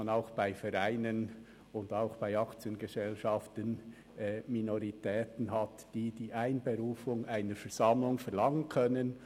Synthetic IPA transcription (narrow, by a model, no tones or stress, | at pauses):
naʊxb̥aɪfɛɾaɪnən | ʊndaʊxb̥aɪɑkt͡sjənɡezɛlʃɑftən | ɛminoɾitʰɛːtən̩ɦɑtd̥iːd̥iːʔaɪnbeɾuːfʊŋaɪnəɾfɛɹz̥ɑmlʊŋfɛɾlɑŋənkʰœnən